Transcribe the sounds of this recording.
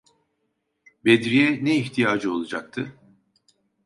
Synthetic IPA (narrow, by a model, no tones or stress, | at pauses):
bed̪ɾijɛnɛiçt̪ʰijaːd͡ʒɯo̞lˠad͡ʒak̚t̪ʰɯ